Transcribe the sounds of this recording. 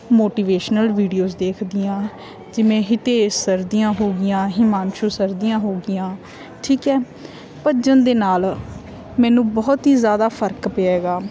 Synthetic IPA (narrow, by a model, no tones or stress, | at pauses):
moːʈiːʋeːʃnəlʋiːɖijoːzd̪eːkʰd̪ɪjãː | d͡ʒɪmẽːɦɪt̪eːsəɾd̪ɪjãːɦoːɡɪjãːɦɪmaːnʃosəɾd̪ijãːɦoːɡɪjãː | ʈʰiːkɛː | pəd͡ʒənd̪eːnaːl | mɛːnũːbɔːt̪ɦiːzjaːd̪aːpʰəɾkpeɛɛːɡaː